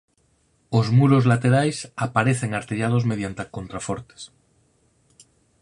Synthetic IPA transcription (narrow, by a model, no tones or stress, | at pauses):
ozmuɾozlat̪eɾajsapaɾeθeŋaɾt̪eʎað̞ozmeðjant̪akont̪ɾafoɾt̪e̥s